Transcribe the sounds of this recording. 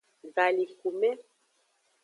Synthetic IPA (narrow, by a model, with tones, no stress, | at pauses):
ɡa˨li˨ku˨mɛ˦